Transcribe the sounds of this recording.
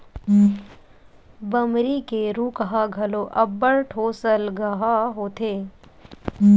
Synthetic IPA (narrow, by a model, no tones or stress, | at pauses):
bɐmɾikeɾuːkəɦaɡʱɐloʔɐbːəɽʈʰoːsəlɡɐɦaɦoːt̪ʰeː